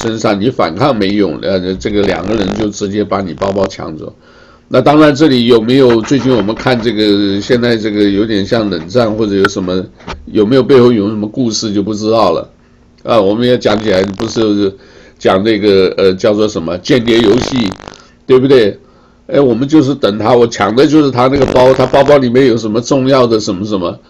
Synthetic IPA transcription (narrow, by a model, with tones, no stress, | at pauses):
ʂə˥nʂɑ˥˩ŋni˧˥fa̰˨˩nkʰɑ˥˩ŋme˧˥ɪjʊ̰˨˩˦ŋə˥˧ʈ͡ʂɤ˥˩ɡə˩ljɑ̰˨˩ŋɡə˦ɻə˧˥nt͡ɕjo˥˩ʊʈ͡ʂɻ̩˧˥t͡ɕjɛ˥pa˧˥ni˨˩pɑ˥˧ʊpɑ˥˧ʊt͡ɕʰjɑ̰˧˥ŋt͡sɔ̰˥˩˦ | na˥˧t̪ɑ˥ŋɻa˧˥nʈ͡ʂɤ˥˩li˨˥jo˨˩ʊme˧˥ɪjo˨˩ʊt͡swe˥˧ɪt͡ɕi˥˩nwɔ˨˩mə˧˦nkʰa˥˧nʈ͡ʂɤ˥˩ɡə˩ɕjɛ˥˧nt͡sa˥˧ɪʈ͡ʂɤ˥˩ɡə˩jo˧˥ʊt̪jɛ˨˩nɕjɑ˥˩ŋlə˨˩nʈ͡ʂa˥˧nxwɔ˥˩ʈ͡ʂɤ˧˥jo˧˥ʊʂə˧˥nmə˧jo˨˩me˧˥ɪjo˨˩p̬e˥˧xo˥˩i˨˩˧ʂə˧˥mə˧ku˥˧ʂɻ̩˥˧t͡ɕjo˥˧ʊpu˥˩ʈ͡ʂɻ̩˥t̪ɑ˥˩ʊlə̰˩ | ə˥˧wɔ˨˩mə˦njɛ˧˩t͡ɕjɑ˨˥ŋt͡ɕʰi˨la˧˥ɪ˨˩pu˧˥ʂɻ̩˥˧˥ | t͡ɕjɑ˨˩ŋnə˥˩ɡə˩ə˧t͡ɕjɑ˥˧ʊt͡swɔ˥˩ʂə˧˥nmə˧t͡ɕjɛ˥˩nt̪jɛ˧˥jo˧˥ʊɕi˥˩ | t̪we˥˩ɪbu˩t̪we˥˩ɪ | e˥˩ɪwɔ˨˩mə˦nt͡ɕjo˥˧ʊʂ̬ɻ̩˥˩t̪ə˨˩ŋt̪ʰa˥wɔ˨˩t͡ɕʰjɑ˨˥ŋd̪ə˧t͡ɕjo˥˧ʊʂɻ̩˥˩t̪ʰa˥na˥˩ɡə˩pɑ˥ʊt̪ʰa˥pɑ˥ʊpɑ˥ʊli˨˩mjɛ˥˩njo˨˩ʊʂ̬ə˧˥nmə˧ʈ͡ʂʊ˥˧ŋjɑ˥˩ʊd̪ə˩ʂə˧˥nmə˧˩ʂə˧˥nmə˧